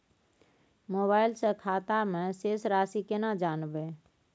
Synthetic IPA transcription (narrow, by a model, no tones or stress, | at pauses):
moβaːɪlsẽkʰaːt̪amẽseːsɾaːsikenad͡ʒaːnbe